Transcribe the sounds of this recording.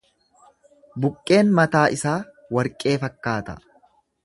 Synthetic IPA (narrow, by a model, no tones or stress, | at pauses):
bʊkʼːe̞ːnmɐt̪aːʔɪsaː | wɐɾkʼːe̞ːfɐkːaːt̪ɐ̰